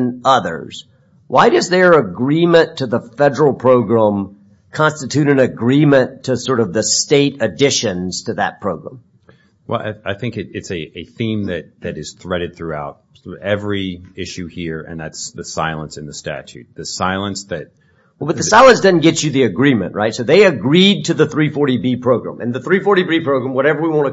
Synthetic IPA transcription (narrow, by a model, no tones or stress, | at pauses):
nʌðə̰˞z̥ | waɪɾʌzðə˞əɡɹĩmɨ̃ntʰɨðəfɛɾə˞l̩ˠpʰɹ̥oʊɡɹæ̃m | kʰɑ̃nstɨtʰʉɾɨ̃nɨɡɹĩmɨ̃ntʰɨsɔɹɾʌvðɨsteɪɾɨdɪʃɨ̃nz̥tʰɨðɨ̰t̚pʰɹ̥oʊɡɹæ̰̃m | wɛ̰lˠa̰ɪaɪθɪ̃ŋkɨɾɪtsɨɨθĩmðɨt̪̚ðɨɾɨz̥θɹɛɾɨd̪̚θɹʉaʊt̚ɛvɹiɪʃʉhiɹɨ̰̃nðætsðɨsaɪlˠə̃nsɨ̃nðɨstæ̰t͡ʃʉ̰t̪̚ðɨsaɪlˠə̃nsðɨt̪̚ | wɛlˠbʌt̪̚ðɨssaɪlˠə̃ns̬d̥ʌdⁿn̩ɡ̥ɛt͡ʃɨðiɨɡɹĩmɨ̰̃nʔɹʔaɪtsoʊðeɪɨɡɹid̚tʰɨðɨθɹifɔɹɾibipʰɹ̥oʊɡɹæ̰̃mɨ̰̃nðɨθɹifɔɹɾibipʰɹ̥oʊɡɹæ̃mwʌɾɛvə˞wiwɑ̃nɨ